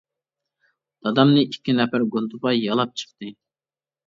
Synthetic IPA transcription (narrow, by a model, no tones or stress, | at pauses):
d̪̥ɑd̪ɑmnɨikʲʰːinɛpæɾɡont̪upɑjɑlˠɑp̚t͡ʃʰə̥χt̪ɨ